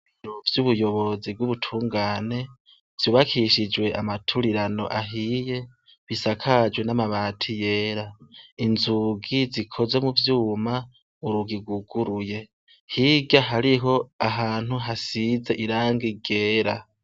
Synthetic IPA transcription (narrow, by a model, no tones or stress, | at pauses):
βiɾovjuβujo̞βo̞zib̚ɡuβutʰuːŋɡaːne̞ | v̥juːβakʰiʃid͡ʒwe̞ʔamatʰuɾiɾano̞̰ʔaɦije̞ | βisakʰad͡ʒwe̞namaβaːtʰije̞ːɾainzuɡizikʰo̞zwe̞muvjuːma | uɾuɡiɡuɡ̥uɾuje̞ | hiɡaɦaɾiɦo̞aɦaːn̥huɦasize̞ʔiɾaːŋɡiɡe̞ːɾa